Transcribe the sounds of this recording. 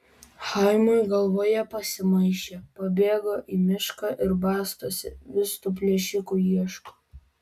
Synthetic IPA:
xɑɪmoɪɡɐlˠʋoːjɛpɐsʲɪmɐɪʃʲeːpɐbʲeːɡoːʔiːmʲɪʃkɑːʔɪɾbɑːst̪oɔsʲɪ̰ʋʲɪst̪uːp̬ʲlʲiɛʃʲɪkuːjiɛʃkoː

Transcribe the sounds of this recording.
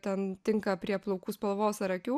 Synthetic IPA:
t̪ʲɛnt̪ʲɪŋkɐpʲɾʲiɛplˠɔʊkuːspɐlˠʋoːsɐɾɐkʲuː

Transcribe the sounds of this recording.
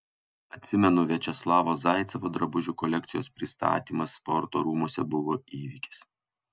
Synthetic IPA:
ɐt̪ʲsʲɪmʲɛnʊʋʲiɛt͡ʃʲɛslˠɑːʋozɑˑɪt̪sʲɐʋod̪ɾɐbʊʒʲuːkɔlʲɛk̚t̪sʲɪjoːspʲɾʲɪst̪ɑ̰ːt̪ʲiːmɐsːpɔɾt̪oːɾuːmuɔsʲɛbʊʋoiːʋʲikʲɪ̥s

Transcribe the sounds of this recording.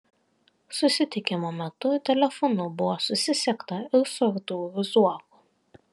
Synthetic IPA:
sʊsʲɪt̪ʲɪkʲɪmoːmʲɛt̪ʊt̪ʲɛlʲɛfɔnʊbʊʋoːsʊsʲɪsʲɛkt̪ɐɪɾsʊɾt̪uʋʲɪzuɔkuː

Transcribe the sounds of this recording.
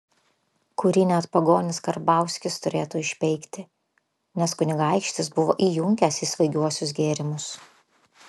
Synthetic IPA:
kʊɾʲɪnʲɛɐt̪pɐɡoːnʲɪskɐɾbɑˑʊsʲkʲɪst̪ʊɾʲeːt̪uːɪʃʲpʲɛɪkt̪ʲɪ | nʲɛskʊnʲɪɡɑˑɪkʃʲt̪ʲɪsbʊʋoːʔiːjʊŋʲkʲɛsiːsʋɐɪɡʲuɔsʲʊsɡʲeːɾʲɪmʊs

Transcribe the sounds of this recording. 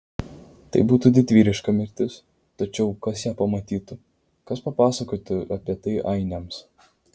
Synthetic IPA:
t̪ɐ̰ɪbuːt̪ud̪ʲɪt̪ʲʋʲiːɾʲɪʃkɐmʲɪɾʲt̪ʲɪs | t̪ɐt͡ʃʲɛʊkɐsjæːpɐmɐt̪ʲiːt̪ʊ | kɐspɐpɑːsɐkoːt̪ʲɪɐpʲiɛt̪ɐɪʔɐɪnʲɛms

